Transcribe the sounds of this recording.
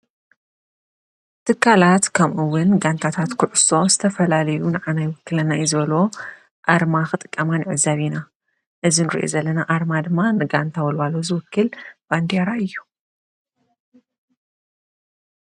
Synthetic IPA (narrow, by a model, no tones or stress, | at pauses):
t̪ʰɨkʰːalat̪kʰɐmʔɨwʊnɡant̪ʰat̪ʰat̪kʰʊʕʊso̞z̥ɨt̪ʰɐfɐlalɐjunɨʕanajwɨkːɨlɐnajzɨβɐlo̞ | ʔaɾmaxɨt̪ʼɨkʼːɐmanɨʕɨzaβina | ʔɨzinɨɾḭʔo̰zɐlːɐnaʔaɾmad̪ɨmːanɨɡant̪ʰawɔlwalozɨwʊkːɨlb̥and̪eɾaɨjːu̥